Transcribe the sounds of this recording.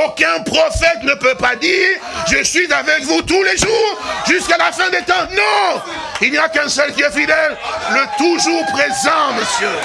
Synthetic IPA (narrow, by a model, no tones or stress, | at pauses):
okʲɛ̃pχɔfɛt̪nəpøpad̪iːʁ | ʒəsɥizavɛkvut̪uleʒuːʁʒyskalafɛ̃d̪et̪ɑ̃nɔ̃ | ilniakɛ̃sɛlkiɛfid̪ɛlːət̪uʒuʁpχezɑ̃məsjø